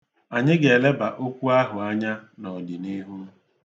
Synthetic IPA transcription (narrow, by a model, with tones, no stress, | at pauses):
a˨ɲɪ˦ɡe˨le˦ba˨ʔo˦kʷu˦a˦ɦʊ˨a˦ɲa˦nɔ˨di˨ni˦ɦu˦